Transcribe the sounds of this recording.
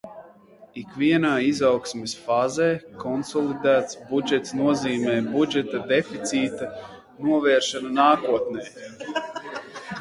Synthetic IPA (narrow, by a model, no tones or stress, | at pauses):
ikviɛnaːizawksmesfaːzɛːkɔnsɔlˠid̪æːt̪sbud͡ʒɛt̪snuɔziːmɛːbud͡ʒɛt̪ad̪efit̪siːt̪a | nuɔvɛːɾʃananaːkuɔt̪nɛː